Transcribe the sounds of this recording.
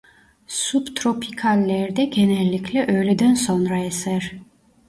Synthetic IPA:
subt̪ʰɾɔpʰikʰalːɛɾd̪ɛɡɛnɛlːikʰlɛʔœlɛd̪ɛnsɔnɾaɛsɛɾ

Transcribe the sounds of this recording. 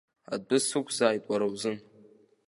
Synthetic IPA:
a̰d̚bɨsɨkʷʰzaːjpʷʼaɾawzɨn

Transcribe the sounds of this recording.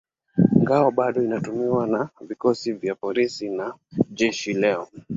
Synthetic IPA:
ŋɡaɔɓaɗɔinatumiwanavikɔsivjapɔlisinaʄɛʃilɛɔ

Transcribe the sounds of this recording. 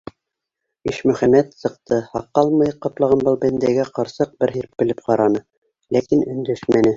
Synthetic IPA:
iʃmɵ̆χæmæt̪sɤ̆qt̪ɤhɑqːɑlˠmɤjqɑp̪lˠɑʁɑnbɤlˠbɘnd̪æɡæqɑɾsɤq̚bɘɾɦiɾp̚bɘ̆lɘp̚qɑɾɑnɤ | lækinɵ̆nd̪ɵʃmænɘ

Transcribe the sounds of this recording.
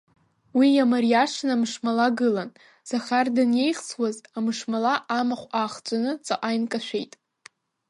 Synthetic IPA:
wijamarijaʂnamʂmalaɡɨlan | z̥aχardanje̞jχsʰwazamɨʂmalaʔamaχʷaχt͡sʷʼanɨt͡sʼaʔʼajnkʼaʃʷᶣe̞jtʼ

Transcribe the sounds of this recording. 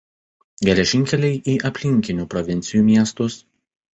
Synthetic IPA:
ɡʲɛlʲɛʒʲɪŋʲkʲɛlʲɛɪʔiːʔɐpʲlʲɪŋʲkʲɪnʲuːpɾɔʋʲɪnʲt̪sʲɪjuːmʲiɛst̪ʊs

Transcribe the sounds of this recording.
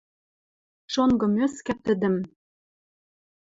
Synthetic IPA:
ʃoŋɡɤ̆møskæt̪ɘ̆d̪ɘ̆m

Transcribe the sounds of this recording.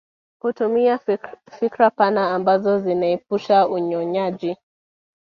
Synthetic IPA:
hutumiafikɾapanaːmbazɔzinaɛp̚uʃauɲɔɲaʄi

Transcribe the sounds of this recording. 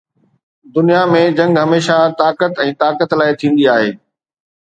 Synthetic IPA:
d̪ʊnijamẽd͡ʑɐ̃ŋɡɦɐmeːʃat̪aːkət̪ɛ̃ːt̪aːkət̪laːɪt̪ʰĩːn̆d̪iaːɦeː

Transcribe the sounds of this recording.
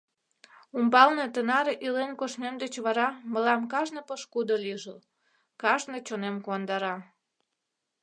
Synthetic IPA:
umbɑlne̽t̪ənɑɾeʔilenkoʃnemd̪et͡ɕβɑɾɑməlɑmkɑʒnəpəʃkud̪oliʒəl | kɑʒnet͡ɕonemkuɑnd̪ɑɾɑ

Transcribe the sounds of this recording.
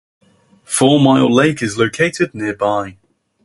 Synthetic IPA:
fɔːmaɪlˠleɪkɪzləʊkʰeɪtɪdⁿnɪəbaɪ

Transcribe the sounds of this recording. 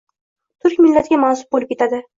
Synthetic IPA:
t̪ʰʊɾkʲmɪlːat̪ɡʲamansʊ̥p̚bolɪp̚ʲkʲet̪ʰad̪ɪ

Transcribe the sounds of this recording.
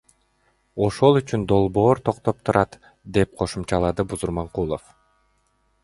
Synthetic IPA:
o̞ʃo̞lˠyt͡ʃynd̪o̞lˠbo̞ːɾt̪ʰo̞qt̪o̞p̚t̪ʰuɾʔɑt̪ | d̪e̞p̚qʰo̞ʃumt͡ʃɑlˠɑd̪ɯbuzuɾmɑɴqulˠo̰f

